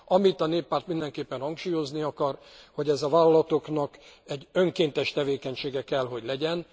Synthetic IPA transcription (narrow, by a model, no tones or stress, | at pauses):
ɒmit̪ɒneːpːaːrt̪mind̪ɛŋkeːpːɛnhɒŋkʃuːjo̞zniɒkɒrho̞ɟɛzɒvaːlɒlɒt̪o̞knɒk | ɛɟːø̞ŋkeːnt̪ɛʃt̪ɛveːkɛɲʃeːɡɛkɛlɦo̞ɟlɛɟɛn